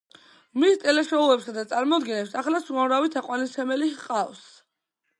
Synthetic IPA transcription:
ʁmist̪ʼɛlɛʃɔulɛpsad̪at̪sʼaɾmɔd̪ɡinɛpsaχlasuamɾavit̪ʰaqʼwanisʰɛmɛliqʼavs

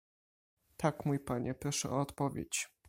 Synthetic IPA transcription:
t̪akmujpaɲɛpɾɔʂɛ̰ʔɔːt̪pɔvʲjḛt͡ɕ

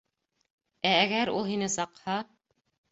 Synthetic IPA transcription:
æːɡæɾulˠhinɘsɑqhɑ

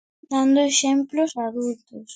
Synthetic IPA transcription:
d̪ãnd̪oeʃẽmplosaðult̪os

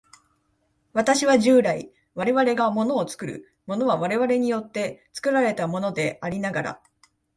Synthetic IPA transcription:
βat̪aɕiβaʑɨːɾaḭ | βaɾe̞βaɾe̞ɡamo̞no̞ːt͡sɨ̥kɯ̟ɾɯ̰ | mo̞no̞βaβaɾe̞βaɾe̞ɲ̟ijo̞t̪ːe̞t͡sɨ̥kɯ̟ɾaɾe̞t̪amo̞no̞d̪e̞aɾʲinaɡaɾa̰

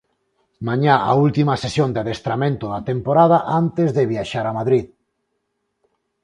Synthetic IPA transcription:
maɲaa̰ult̪imasesjõnd̪eaðest̪ɾamẽnt̪oðat̪empoɾað̞aʔant̪ezðeβjaʃaɾamaðɾið

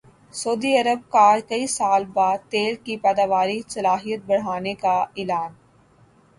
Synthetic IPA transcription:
sɐːd̪iɐɾəb̚kaːɾkɐisaːlbaːd̪̚t̪eːlkipɛːd̪aːʋaːɾisɐlaːɦijət̪̚bɐɽ̤aːnekaɪlaːn

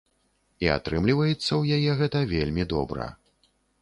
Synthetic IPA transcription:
ia̰t̪ɾɨmlʲivɐjɛt̪sːɐwjajɛɣɛt̪ɐvʲelʲmʲid̪ɔbɾɐ̰

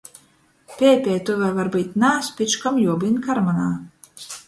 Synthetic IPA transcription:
pʲɛːpʲɛjt̪uvʲaːvaɾbɨt̪ʲnaːspʲɨt͡ʃkamjuɔbɨnkaɾmanaː

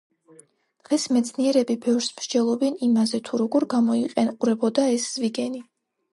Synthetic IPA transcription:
d̪̥ʁɛsmɛt̪sʰniɛɾɛbibɛvɾsmɾd͡ʒɛlˠɔbɛnimazɛt̪ʰuɾɔɡɔɾɡamɔiqʼɛnqʼuɾɛbɔd̪aɛsz̥viɡɛni

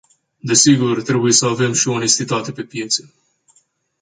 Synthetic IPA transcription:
d̪e̞siɡurt̪ɾe̞buje̞səave̞mʃioone̞st̪it̪at̪e̞pe̞pijet̪se

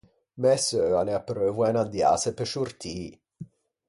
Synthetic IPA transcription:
mɛsøaneapːɾøːvwaenad̪ja̰ːsepeʃurt̪ʰiː

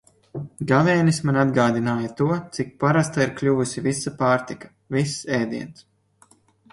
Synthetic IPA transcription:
ɡavɛːnismanʲad̪ɡaːd̪inaːjat̪uɔt̪sik̚paɾast̪aiɾklʲuvusʲivisapaːɾt̪ikḁ | visɛːd̪iɛns

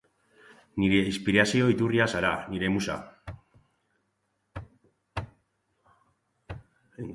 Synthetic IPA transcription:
niɾe̞ispiɾasio̞it̪uriasaɾaniɾe̞musa̰

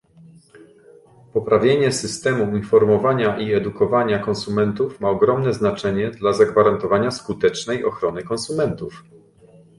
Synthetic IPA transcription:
pɔpɾavʲjeɲɛsɘst̪ɛmuuɲfɔɾmɔvaɲaʔiɛd̪ukɔvaɲakɔ̃nsumɛnt̪ufmaɔɡɾɔmnɛznat͡ʂɛɲɛd̪lazaɡvaɾant̪ɔvaɲaskut̪ɛt͡ʂnɛjɔxɾɔnɘkɔnsumɛnt̪uf

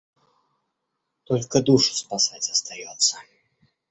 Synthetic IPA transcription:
t̪ɔlʲkɐd̪uʂɐ̥spasad͡zʲɐst̪ajɔt̪sːɐ

